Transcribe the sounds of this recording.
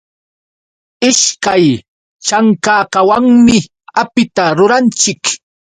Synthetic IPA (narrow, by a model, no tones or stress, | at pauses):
ɪʃkaj | t͡ʃaŋkaːkawaŋmɪ | apɪt̪aɾʊɾant͡ʃɪk